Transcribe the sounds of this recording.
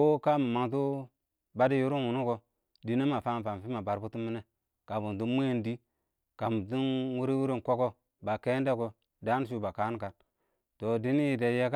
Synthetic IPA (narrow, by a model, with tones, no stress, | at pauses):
o˦ka˦mu˨ma˨ŋt̬u˦ | ba˦di˦ju˦ɾu˦wu˨nu˦ko˨ | di˨ne˦ma˨fa˦˨fa˨m˨fi˦ma˨ba˨ɾbu˦tu˦mi˦ne˦ | ka˨bu˨ntu˦me˦˨ndi˦ | ka˨mu˨tu˦nwu˦ɾi˦wu˦ɾi˦nko˦ko˦ | ba˨ke˦nde˦ko˨ | da˦n˦ʃ̬u˦ba˨ka˨˦n˦ka˨n | to˨di˦ni˦ji˨de˨je˦ka˦